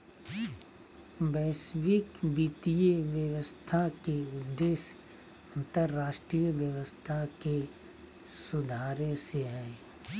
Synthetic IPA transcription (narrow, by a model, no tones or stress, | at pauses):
bɛːsʋɪkbiːt̪iəʋjəʋəst̪ʰakeʊd̪ːeːs | ɐ̃nt̪əɾːaːʃʈɾijəʋjəʋəst̪ʰake | sʊd̪ʱaːɾẽseɦɛː